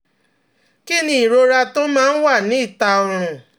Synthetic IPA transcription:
ki˦˨nĩ˦i˨ɾo˧ɾa˧to˦mãː˦˧n̩˦wa˦˨nĩ˨˦i˦˨ta˧o˧ɾ̃ũ˧

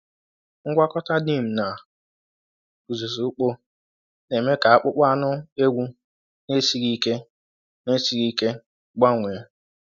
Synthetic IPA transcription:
ŋ̩˦ɡʷa˦kɔ˦ta˦di˦˨m̩˨na˨ | ku˨zu˨zu˨u˦k͡po˦ | ne˨me˦ka˨a˦k͡pʊ˦k͡pa˦nʊ˦e˦ɡʷu˦ | ne˦si˦ɾi˦ke˦ | ne˦si˨ɾi˦ke˦ | ɡ͡ba˦ŋʷe˨˦

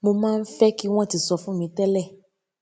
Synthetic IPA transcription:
mo˧mãː˦˧n̩˦fɛ˦ki˦w̃ɔ̃˦˨ti˨˧sɔ˧fũ˦mĩ˨˧tɛ˦lɛ˦˨

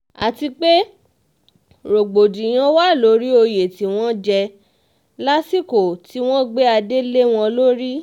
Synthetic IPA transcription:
a̰˨ti˧k͡pe˦ | ɾo˨ɡ͡bo˨dĩ˨j̃ã˧wa˦˨lo˨˦ɾi˦o˧je˨ti˨˦w̃ɔ̃˦d͡ʒɛ˧ | la˦si˦˨ko˨ti˦w̃ɔ̃˦ɡ͡be˦a˧de˦le˦w̃ɔ̃˧lo˦ɾi˦

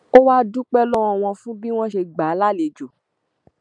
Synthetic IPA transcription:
o˦wa˦dũ˦k͡pɛ˦lɔ˦wɔ̃˧w̃ɔ̃˧fũ˦bĩ˦w̃ɔ̃˦ʃe˧ɡ͡ba˨˦la˦˨le˨d͡ʒo˨

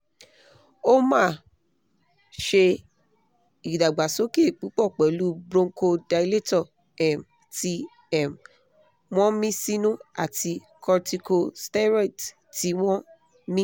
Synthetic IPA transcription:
o˦mãː˦˨ | ʃe˧ | i˨da˨ɡ͡ba˨so˨˦ke˦˨k͡pu˨˦k͡pɔ˦˨k͡pɛ˨lu˦bɾõ˧ŋ˦ko˧da˧i˧le˦tɔ˦˨ | ɛ˨m | ti˧ | ɛ˨m | w̃ɔ̃˦mĩ˦si˦nũ˦a̰˨ti˧ | kʰɔ˧ti˧ko˧stɛ˦ɾe˦˨t | ti˨˦w̃ɔ̃˦ | mĩ˦

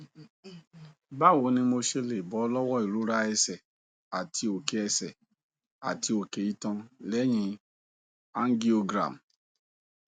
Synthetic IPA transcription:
ba˦˨wo˨˦nĩ˧mo˧ʃe˧le˨bɔ˨˦lɔ˦wɔ˦i˨ɾu˨˦ɾa˦ɛ˧sɛ˨ | a˨tʰi˧o˨ke˧˦ɛ˧sɛ˨ | a̰˨tʰi˧o˨ke˨˦i˦tɔ̃˧lɛ˨˦j̃ĩ˧ | a˦n˦ɡi˦o˧ɡɾa̰˨m˨

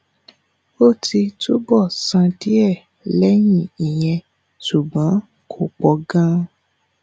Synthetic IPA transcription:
o˦˨tʰi˧tʰo˦bɔ˦˨sã˧di˦ɛ˦˨ | lɛ˦j̃ĩ˦˨i˨j̃ɛ̃˧ | su˨ɡ͡bã˨˦ | kʰo˨k͡pɔ˧ɡã˦

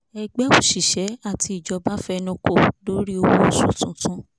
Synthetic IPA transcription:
ɛ˧ɡ͡bɛ˦õ˨ʃi˨ʃɛ˨˦a˦˨ti˧i˨d͡ʒɔ˧ba˦fɛ˦˧nũ˧ko˦˨do˨˦ɾi˦o˧wo˧˨sũ˨tũ˨˦tũ˦

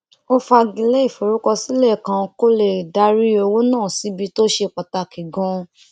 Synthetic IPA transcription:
o˦fa˧ɡi˨˧lɛ˦i˦˨fo˨ɾu˦kɔ˧si˦lɛ˦˨kã˧ko˦le˦˨da˨˦ɾi˦o˧wo˦nãː˦˨si˨˦bi˧to˦ʃe˧˨k͡pa˨ta˧˨ki˨ɡɔ̃˦˧

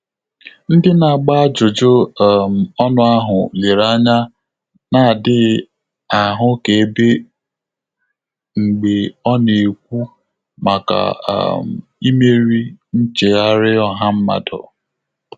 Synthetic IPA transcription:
n̩˦dɪ˦na˨ɡ͡ba˦d͡ʒʊ˨d͡ʒo˦˨m̩˨ɔ˦nʊ˦a˦ɦʊ˨le˨ɾa˦ɲa˦ | na˨dɪ˦ | a˨ɦʊ˦ke˨e˦be˦ | ŋ͡m̩˨ɡ͡be˨ɔ˦ne˨kʷu˦ | ma˨ka̰˨m̩˨i˦me˦ɾi˦n̩˦t͡ʃe˨ɣa˦ɾɪ˦ɔ˦ɦa˦m̩˦ma̰˨dɔ̰˨

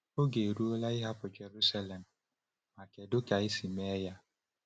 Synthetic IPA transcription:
o˦ɡe˨ɾu˦o˦la˦ɪ˦ɦa˦pʊ˨d͡ʒe˨ɾu˦sa˦le˨m̩˨ | ma˨ke˨dʊ˦ka˨ɪ˦si˨me˦ja˦

